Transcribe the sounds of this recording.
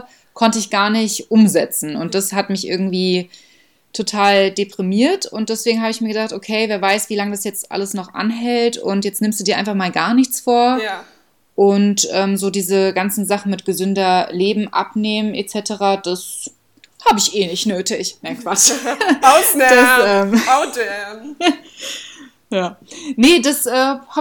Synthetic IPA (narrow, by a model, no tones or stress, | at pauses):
kʰɔntəɪçɡ̥aːɐnɪçtʔʊmzɛt͡sn̩ʊ̰nt̚d̥ashatmɪçʔɪ̰ɐɡŋ̩tv̥iː | tʰotʰaːldepʁ̥imiːɐtʊntd̥ɛsv̥eːɡŋ̩haːbəɪçmiɐɡədaχtʔokʰeɪveːɐvaɪsv̥iːlaŋədasjɛt͡stʔa̰ləsnɔχʔa̰nɦɛltʊ̰ntjɛt͡stnɪmstdudiːɐaɪnfaχmaːlɡaːɐnɪçt͡sfoːɐ | ʔʊntʔɛːmzoːdiːzəɡant͡sn̩zaχn̩mɪtɡ̥əzʏndɐleːbm̩ʔa̰pneːmənʔet͡sɛtʰəʁaːd̥as | haːbəɪçʔeːnɪçtnøːtʰɪçnaɪnkv̥at͡ʃʊd̥asɛːmaʊdɛ | jaːnədasʔɛːha